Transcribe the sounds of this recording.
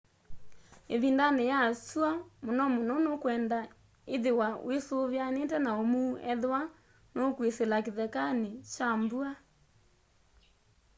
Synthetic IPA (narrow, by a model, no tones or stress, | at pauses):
eβindanejasuamonɔmonɔnokwɛnda | eðewaw̰esoβjanetɛnaomuːɛða | nokweselakeðɛkanet͡ʃambua